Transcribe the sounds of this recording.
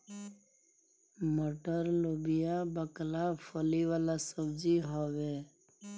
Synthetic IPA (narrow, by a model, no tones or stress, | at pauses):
moʈəɾlobijabəklafʰoliʋaːlasəbziɦoʋe